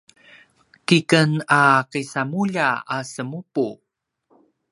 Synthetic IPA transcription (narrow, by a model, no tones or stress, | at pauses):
kikənaqisamuʎaasəmupu